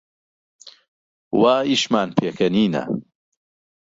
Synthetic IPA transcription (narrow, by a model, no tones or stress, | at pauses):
waːiʃmaːnpʰeːkʰɐniːnɐ̰